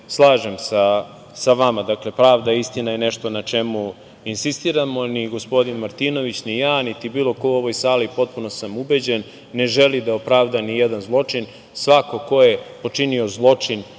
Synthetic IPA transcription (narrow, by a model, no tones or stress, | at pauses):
slˠaːʒe̞msa | saʋamad̪akle̞pɾaːʋd̪aist̪inajeneʃt̪o̞nat͡ʃe̞mu | insist̪iːɾamo̞niɡo̞spo̞d̪inmaɾt̪ino̞ʋit͡ɕnijaːnit̪ibiːlˠo̞kouo̞ʋo̞jsaːlipo̞t̪̚punossamube̞d͡ʑenː | e̞ʒelid̪aopɾaːʋd̪anijed̪anzlˠo̞t͡ʂin | sʋako̞ko̞je̞po̞t͡ʃinio̞zlˠo̞t͡ʂin